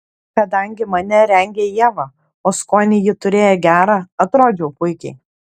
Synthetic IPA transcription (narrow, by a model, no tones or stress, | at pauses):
kɐd̪ɐŋʲɡʲɪmɐnʲɛɾʲɛŋʲɡʲeːjiɛʋɑː | oːskoːnʲɪjɪt̪ʊɾʲeːjɛɡʲæːɾɑːɐt̪ɾoːd͡ʒʲɛʊpʊɪkʲɛɪ